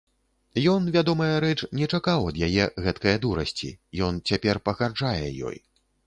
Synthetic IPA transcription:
jɔnvʲad̪ɔmɐjɐɾɛt͡ʂnʲɛt͡ʂakawɐd̪jajɛɣɛt̪kɐjɐd̪uɾɐsʲt͡sʲḭjɔnt͡sʲapʲɛrpɐɣard͡ʐajɛ̰jɔ̰j

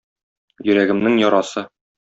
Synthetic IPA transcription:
jɵ̆ɾæɡɘ̆mnɘŋjɒɾɑsɤ

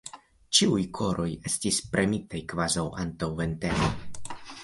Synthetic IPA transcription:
t͡ʃiujkʰo̞ɾo̞je̞stispɾʔe̞mitajkvazawantawve̞nte̞no̰

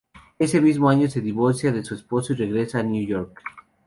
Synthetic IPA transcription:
e̞se̞mizmoaɲo̞se̞ðiβo̞ɾsjaðe̞sue̞spo̞soire̞ɣɾe̞saːnjuʝoɾk

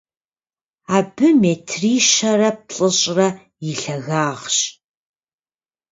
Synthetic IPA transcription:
aːbɨmeːtʰriːʃɐrɐp̚ɬʼɨɕʼrɐ | jɪɬɐɣaːʁɕ

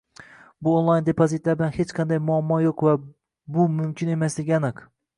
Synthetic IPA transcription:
buonlˠɑjnd̪epʰozit̪læɾbɪlɛnhet͡ʃqʰɑnd̪ɑjmuamːɑːjoqvɛ | bumymkʲʰinemɛsd̪ɪɡʲɛnɨq

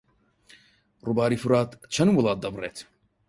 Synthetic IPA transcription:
rubaːɾiːfuɾɑːt̪t͡ʃʰɐnwʊlˠɑːt̪̚d̪ɐbɨreːt̪ʰ

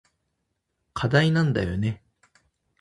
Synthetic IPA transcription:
kʰad̪ainãnd̪a̰jo̞̰ne̞

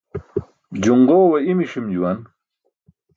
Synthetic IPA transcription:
d͡ʑuŋɡoːwɐimiɕimd͡ʑuwɐn

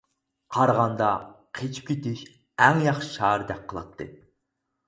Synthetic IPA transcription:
qʰɑɾʁɑnd̪ɑ | qʰet͡ʃʰi̥p̚kʲʰet̪ɪʃ | ɛŋjɑχʃɨ̥ʃɑːɾd̪ɛk̚ʲqʰːəlˠɑ̰t̪ʰːɨ̰

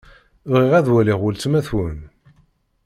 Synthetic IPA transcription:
vʁiʁæðwæliʁwʊlt͡sːmæθwən

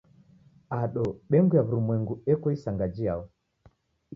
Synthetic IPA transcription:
aɗɔɓɛŋɡwjaβuɾumwɛŋɡuɛkɔisaŋɡad͡ʒijaɔ

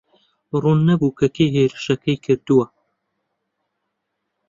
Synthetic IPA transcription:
runːɐbuːkʰɐkʰejɦeːɾɨʃɐkʰɐjkʰɨɾd̪uwɐ

